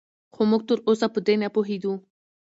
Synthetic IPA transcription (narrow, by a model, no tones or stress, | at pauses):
xomuɡ̚t̪əɾosapəd̪enapoɦed̪u